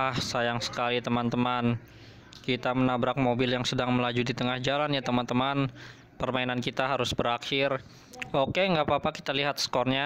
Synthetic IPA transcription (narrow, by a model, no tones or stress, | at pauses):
ahsajaŋsə̥kalit̪əmant̪əman | kit̪amənabɾak̚mobɪljaŋsədaŋməlad͡ʒudit̪əŋahd͡ʒalanjat̪əmant̪əman | pərmainankit̪aɦaɾʊsbəɾakɪr | okeŋɡaʔpapaki̥t̪aliɦat̪̚sə̥kɔrɲa